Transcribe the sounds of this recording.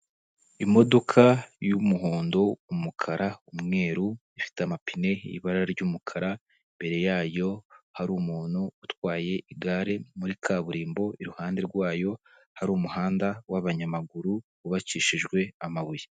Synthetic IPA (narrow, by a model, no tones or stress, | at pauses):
imo̞do̞kʰajumuɦoːndo̞umukʰaɾaumŋe̞ːɾuifi̥teamapine̞̰ḭβaɾaɾaɾɟuːmukʰaɾa | mbe̞ɾe̞jaːjo̞haɾuːmuːn̥huːtwaːje̞ʔiɡaːɾe̞muɾikʰaβuɾiːmbo̞iɾuhaːnde̞ɾɡwaːjo̞ | haɾuːmuhaːndawaβaɲamaɡuɾuβuβat͡ʃiʃiʒɡwe̞amaβuje